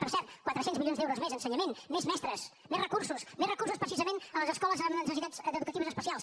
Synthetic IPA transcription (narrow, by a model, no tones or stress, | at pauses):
pərsɛɾt̪kwat̪ɾəsenzmiljonzdɛwɾuzmezənsəɲəmenmezmɛst̪ɾəs | merəkursusmerrəkursuspɾəsizəmenələzəskɔləzənsəs̬it̪azəd̪əðukət̪iβəzəspəsialˠs